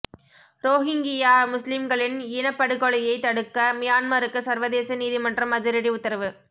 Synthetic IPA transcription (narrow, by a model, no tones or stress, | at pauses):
ɾoːɦɪŋɡɪjaːmʊslɪmɡɐɭɪnɪnɐpːɐɽɯɣɔɭɪjɐɪt̪ːɐɽɯkːɐmɪjaːnmaɾɯkːɯsɐɾʋɐðeːsɐniːðimɐndrɐmɐðɪɾɪɽiʊt̪ːɐɾɐʋɯ